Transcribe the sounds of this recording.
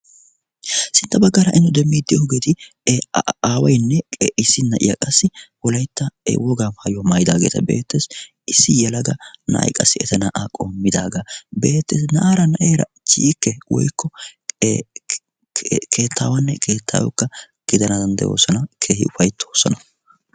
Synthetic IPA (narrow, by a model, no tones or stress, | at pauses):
sɪnt̪ːɐbɐɡːɐɾɐʔɪnːʊd̪ɛmːiːd̪ɪjoɡeːt̪ɪ | aːwɐjnːɛkʼeʔɪsːɪnːɐʔɪ̰jɐ̰kʼɐsːɪwɔlɐjt̪ːɐɛ̰wɔɡaːmhɐjɔmɐjd̪aːɡḛːt̪ɐ̰be̞̰ːt̪ːes | ɪsːɪjɛlɐɡɐnɐ̰ʔjkʼɐ̰sːɪɛt̪ɐnɐʔaːkʼo̞ːmːɪd̪aːɡɐbeːt̪ːeːsnɐʔaːɾɐnɐʔeːɾɐ̰ | t͡ʃiːkːɛwɔ̰jkʰːɔ | kʰe̞ːt̪ʰːa̰ːwɐnːɛkʰeːt̪ʰːa̰ːwɔ̰kːɐ | ɡ̥ɪd̪ɐnɐd̪ɐnd̪ɛ̰jo̞̰ːsɔnɐkʰeːhɪ̰ʊfɐjt̪ʰːo̞ːsɔnɐ